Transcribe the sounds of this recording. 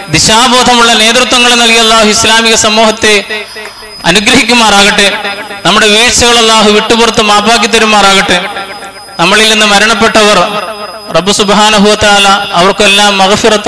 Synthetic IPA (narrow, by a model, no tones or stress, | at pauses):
d̪iɕaːbo̞ːd̪ʱɐmuɭːɐne̞ːt̪̬rut̪ʋɐŋːɐɭenɐlkijɐlˠːaːɦuislaːmiɣɐsɐmːoːɦɐt̪ːe̞ | ɐ̰nuɡɾɐɦikʲːumːaːraːɣiʈːɨnɐmːuɽe̞ʋeːʈsɐɣɐɭɐlˠːaːɦuʋiʈːupurɐt̪ːɨmaːpaːk̬ʲːit̪ːɐɾumːaːraːɣiʈːɨ | nɐmːɐɭilninːɨmɐɾɐɳɐpːe̞ʈːɐʋɐr | rɐbːɨsubɦaːnɐɦuʋɐt̪ɐaːlɐɐʋɐrkumelːaːmːɐɣfirɐt̪ː